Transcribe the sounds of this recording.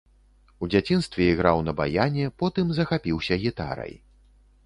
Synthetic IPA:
ud͡zʲat͡sʲinst̪vʲɛiɣɾawnɐba̰janʲɛpɔt̪ɨmzɐxapʲiwsʲɐɣʲit̪a̰ɾɐ̰j

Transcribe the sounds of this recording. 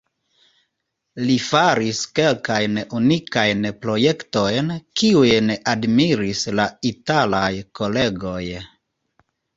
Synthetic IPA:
lifaɾiske̞lkajnunikajnpɾo̞je̞kto̞jnkiujnadmiɾislaitalajko̞le̞ɡo̞j

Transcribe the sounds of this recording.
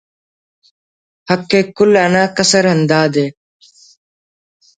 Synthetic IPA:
həkːeːkʊlanãːkəsəɾɦənd̪aːd̪eː

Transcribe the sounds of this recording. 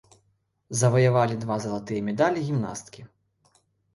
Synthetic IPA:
zɐvɐjavalʲid̪vazɐlˠat̪ɨjɐmʲɛd̪alʲiɣʲimna̰st̪kʲi

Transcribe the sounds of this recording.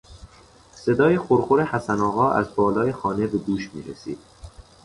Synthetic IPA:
se̞d̪ɒːjexoɾxoɾehæsænɒːɣɒːʔæ̰zbɒːlɒːjexɒːne̞be̞d̪uːʃmḭːɾesḭːd̪̥̚

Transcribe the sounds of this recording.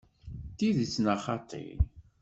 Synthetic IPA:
t̪iðit͡sːnɑχɑt̪ˤʰḭl

